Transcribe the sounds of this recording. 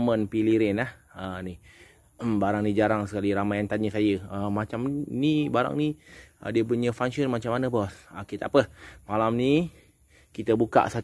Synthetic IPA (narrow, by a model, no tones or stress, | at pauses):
mənpiliɾɛnahəni | baɾaŋnid͡ʒaɾaŋsə̥kaliɾamajant̪aɲəsajəəmat͡ʃamnibaɾa̰ŋniə̰diəpuɲəfaŋʃənmat͡ʃamːanəbɔsakit̪aapəmalamni | kit̪əbuka̰ʔsat